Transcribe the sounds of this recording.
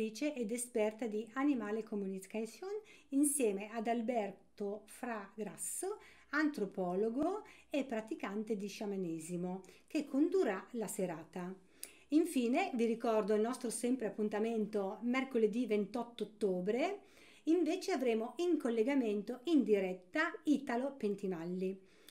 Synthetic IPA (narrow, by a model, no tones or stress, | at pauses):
iːt͡ʃeʔed̪espɛrt̪ad̪ianimaːlekomuniskasoninsjɛːmead̪albɛrt̪ofɾaɡɾasːo | ant̪ɾopɔːloɡoepːɾat̪ikant̪ed̪iʃamanɛːzimokekʰːond̪uralaseɾaːt̪a | iɱfiːneviɾikɔrd̪oilnɔst̪ɾosɛmpɾeapːunt̪ament̪omɛrkoled̪ivent̪ɔt̪ːoot̪ːoːbɾe | iɱveːt͡ʃeavɾeːmoiŋkolːeɡament̪oind̪iɾɛt̪ːaiːt̪alopent̪imalːi